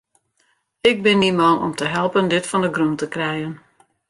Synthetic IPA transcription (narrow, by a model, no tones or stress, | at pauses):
ɪk̚bɪnimɔnɔ̰mtəɦɛlˠpəndɪtfɔndəɡrɔntəkrɛjən